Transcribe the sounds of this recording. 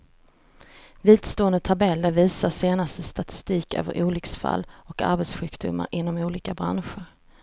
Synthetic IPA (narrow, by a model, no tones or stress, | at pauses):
viːd̪st̪oːənd̪ət̪ʰabɛlːəɾviːsaʂeːnast̪əst̪at̪ɪ̥st̪iːkø̰ːvə̰ɾʔuːlʏksfa̰lːɔka̰ɾbɛt̪sɧʉ̟ːkd̪ʊ̰mːa̰ɾʔɪnːɔmuːliːkabɾanɧəɾ